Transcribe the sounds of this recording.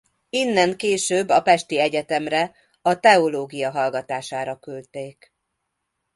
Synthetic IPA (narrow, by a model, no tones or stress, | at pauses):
inːɛŋkeːʃøːbːɒpɛʃt̪iɛɟɛt̪ɛmrɛ | ɒt̪ɛoloːɡijɒɦɒlɡɒt̪aːʃaːɾɒkylt̪eːk